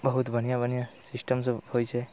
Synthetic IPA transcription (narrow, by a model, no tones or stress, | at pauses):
bəɦut̪bʱənijabənijasɪsʈəmshojt͡ʃʰe